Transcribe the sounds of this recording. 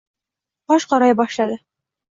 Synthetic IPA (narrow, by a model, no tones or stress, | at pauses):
ɒʃqɒɾɑjbɒʃlˠɑd̪ɤ